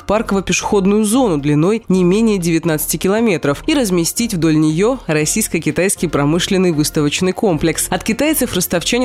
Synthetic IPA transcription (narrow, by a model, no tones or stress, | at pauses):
parkəvəpʲɪʂɨ̥xo̞d̪nʊjʊzo̞nʊd̪lʲɪno̞jnʲɪmʲenʲɪjədʲɪvʲɪt̪nat̪sɨ̥tʲɪkʲɪlˠɐmʲe̞t̪ɾəfiɾəzmʲɪsʲtʲitʲvd̪o̞lʲnʲɪjo̞ɾɐsʲijskəkʲɪt̪ajskʲɪjpɾɐmɨʂlʲɪnːɨjvɨst̪əvət͡ɕnɨjko̞mplʲɪksɐt̪kʲɪt̪ajt̪səfrəst̪ɐft͡ɕænʲ